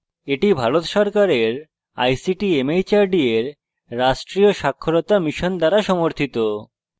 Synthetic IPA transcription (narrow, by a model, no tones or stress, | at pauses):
eʈibʱaɾot̪ʃɔɾkaɾeɾ | a̰jsiʈiemejt͡ɕaɾɖieɾː | aʃʈɾioʃakʰːoɾot̪amiʃond̪aɾaʃɔmoɾt̪ʰit̪o